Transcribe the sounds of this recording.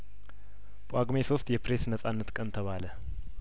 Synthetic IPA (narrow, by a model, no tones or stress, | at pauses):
pʼaɡmesost̪jɛpɾesnəsʼanːət̪kʼənt̪ʰəβalə